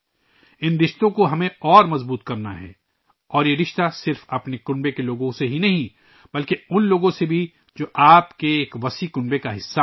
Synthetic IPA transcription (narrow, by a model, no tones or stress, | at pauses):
ɪnɾɪʃt̪õkoɦɐmẽɔːɾmɐzbuːt̪kɐɾnaɦɛ̰ː | ɔːɾjeɾɪʃt̪asɪɾfɐpnekʊ̃ɳbekeloːɡõseɦinɐɦĩ | bɐlkeʊnloːɡõsebʱi | d͡ʒoːʔaːpkeːkʋɐsikʊ̃ɳbekaɦɪsːa